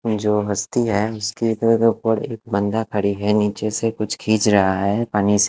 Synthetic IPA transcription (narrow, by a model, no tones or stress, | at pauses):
d͡ʒoːɦɐst̪iɦɛːʊsket̪əɾk̪pəɽeːk̚bɐ̃nd̪akʰɐɽiɦɛniːt͡ʃesekʊt͡ʃʰkʰiːt͡ʃɾɐɦaɦɛpaːnise